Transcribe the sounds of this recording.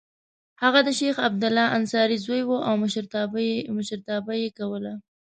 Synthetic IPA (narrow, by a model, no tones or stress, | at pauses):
haɣad̪əʃexab̚d̪ʊlɑʔansɑɾizojwoʔawmʃɾmʊʃəɾt̪ɑbajekawəla